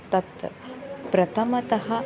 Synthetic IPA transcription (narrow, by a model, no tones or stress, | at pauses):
t̪ɐt̪ | pɾɐt̪ʰɐmɐt̪ɐɦa